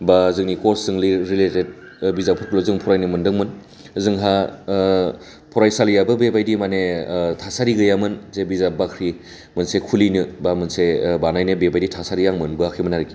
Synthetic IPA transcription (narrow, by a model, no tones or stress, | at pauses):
bazɯŋnikoɾsːɯŋliɾileted̚ | bizapʰɯɾkʰulozɯŋpʰɔɾajnɯmɯndɯŋmɯn | zɯŋɦa | pʰɔɾajsalijabɯbebajdimanetʰasaɾiɡɯjamɯnzebizabakʰɾi | mɯnsekʰulinɯbamɯnsebanajnɯbebajditʰasaɾijaŋmɯnbɯakʰimɯnaɾiki